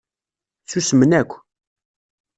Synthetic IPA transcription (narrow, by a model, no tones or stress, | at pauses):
θusəmənækʷː